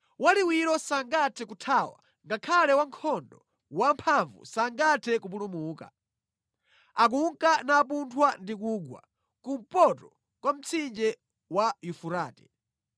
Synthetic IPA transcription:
waliwiɾɔsaŋɡatʰɛkutʰawa̰ | ŋɡakʰalɛwaŋkʰɔndɔ | wampʰaɱvṵsaŋɡatʰɛkup̬ulumuːka̰ | ak̬uŋkanaːp̬untʰwandik̬uɡwa̰ | kum̩pɔtɔ | kwam̩t͡sʰind͡ʒɛ | wajufuɾaːtɛ̥

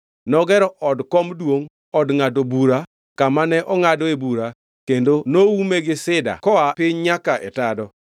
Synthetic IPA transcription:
nɔɡɛɾɔʔɔdkɔmdwoŋ | ɔdŋadobuɾa | kamanɛʔɔŋadɔebuɾa | kendonoumeɡɪsɪda̰kɔapɪɲɲakaʔɛ̰tadɔ

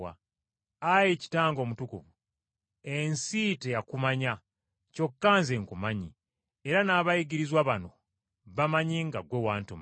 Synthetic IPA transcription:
a̰ | ajeci̥taːŋɡo̞ːmutukuvu | e̞nsite̞jakumaɲa | co̞kːaːnzeŋkumaɲi | eɾanaːβajiɡiɾizwaβano̞ | βamaɲiŋɡaɡwewaːntom

